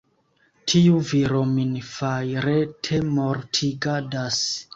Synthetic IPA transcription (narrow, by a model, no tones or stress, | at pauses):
tʰiuviɾominfajɾetʰemoɾtʰiɡadas